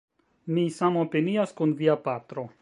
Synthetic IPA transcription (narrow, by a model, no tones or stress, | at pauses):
misamopeniaskunviapatɾo̞